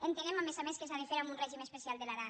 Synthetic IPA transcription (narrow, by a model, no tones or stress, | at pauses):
ent̪enemamezamẽskesaðefeɾamunrɛʒimespesialˠd̪elaɾa